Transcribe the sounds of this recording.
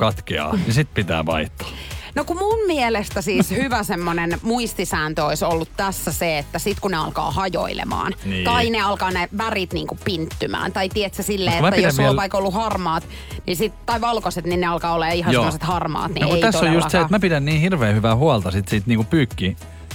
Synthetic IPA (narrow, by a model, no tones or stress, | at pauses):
kɑt̪kḛɑ̰ːnisit̪pit̪æ̰ːʋɑ̰iht̪ːɑ̥ | nokumummielest̪æsiːshyʋæsemːonenmuist̪isæːnt̪øoisolːut̪tæsːæseet̪ːæsit̪kuneɑlkɑ̰ːhɑjo̰ilḛmɑ̰ːnniːt̪ɑineɑlkɑːneʋærit̪niːŋkuppint̪ːymæ̰ːnt̪ɑit̪iet̪sæsilːeːetmæp̪ːæjoæsoːʋɑikolːuhɑrmɑːt̪ | nisit̪t̪ɑiʋɑlkoset̪ninneɑlkɑːoleːihɑnsemːoset̪hɑrmɑ̰ːt̪ninekuit̪æsːojjust̪seet̪mæpidænniːhirʋeːhyʋæːhuɑlt̪ɑsit̪siːt̪niːŋkupyːkːi